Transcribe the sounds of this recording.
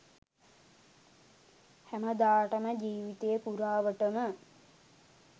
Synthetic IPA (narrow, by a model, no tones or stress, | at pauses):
hæməd̪aːʈəməd͡ʒiːʋit̪ejəpuɾaːʋəʈəmə